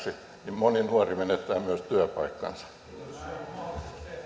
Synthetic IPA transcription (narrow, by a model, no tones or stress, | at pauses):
si | nimmoninuɑrimenet̪ːˑæːmmyæst̪yæpɑikːɑ̰nsɑ̥